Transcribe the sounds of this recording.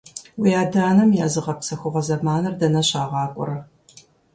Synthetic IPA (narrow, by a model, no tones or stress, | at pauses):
wijaːdaːnɐmjaːzɨʁɐpsɐxʷʊʁɐzɐmaːnɐrdɐnɐɕaːʁɑːkʷʼʊ̰ɾɐ